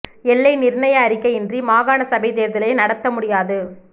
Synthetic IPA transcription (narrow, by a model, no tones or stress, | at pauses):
ɛɭːɐɪnɪɾnɐjɐːɾɪkːɐɪɛndrimaːɣaːnɐsɐbɐɪðeːɾðɪlɐɪnɐɽɐt̪ːɐmʊɽɪjaːðɯ